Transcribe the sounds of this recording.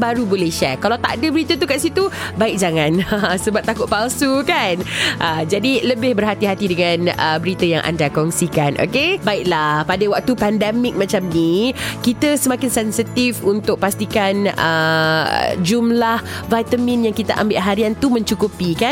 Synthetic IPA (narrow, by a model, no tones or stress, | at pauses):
baɾubolɛhʃɛkalawt̪a̰ʔdəbəɾit̪ət̪̬ukaʔsit̪ubaɪk̚d͡ʒaŋãnəsəbap̚t̪akʊt̪̚palsukanʔəd͡ʒadiləbɪhbərɦat̪iɦat̪idəŋanə̰bəɾit̪əjaŋʔa̰ndakɔŋsikanʔo̰kebaɪʔ̚lahpadawak̚t̪upɛndɛmɪk̚mãt͡ʃamnikit̪əsəmãkɪnsɛnsit̪ifunt̪ʊk̚past̪ikanə̰ | d͡ʒumlahvajt̪əmĩnjaŋkit̪aʔa̰mbɪʔɦaɾiant̪umə̃ɲt͡ʃukupika